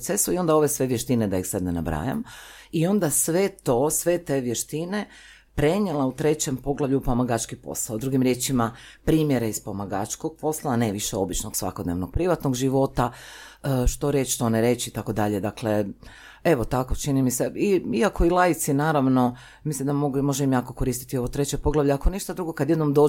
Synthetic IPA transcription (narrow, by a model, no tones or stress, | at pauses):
sesuio̞nd̪ao̞ʋe̞sʋe̞ʋjeʃt̪ined̪aixsabnena̰bɾa̰ːja̰mio̞nd̪asʋe̞t̪o̞sʋe̞t̪e̞ʋje̞ʃt̪ine̞ | pɾe̞ɲelˠaut̪ɾe̞t͡ɕe̞mpo̞ɡlˠaʋʎupomaɡat͡ʃkipo̰slˠaod̪ɾuɡimɾje̞t͡ʃimapɾiːmje̞ɾeispomaɡat͡ʃko̞ɡ̚po̞slaːneʋiʃeo̞bit͡ʃnoɡsʋa̰ko̞d̪ne̞ʋnoɡ̚pɾiʋat̪noɡʒiʋo̞t̪a | ʃt̪o̞ɾjet͡ʃʃt̪oneɾe̞t͡ɕiit̪ako̞d̪aʎed̪akle | e̞ʋo̞t̪akot͡ʃinimise̞iiakʰo̞ilˠajit̪sinaːɾaʋno̞ | mislimd̪amoɡumo̞ʒeimjaːko̞ko̞ɾiːst̪it̪io̞ʋot̪ɾe̞t͡ɕepo̞ɡlˠaʋʎeakoniʃt̪ad̪ɾuɡo̞kad̪je̞d̪no̞md̪o̞ː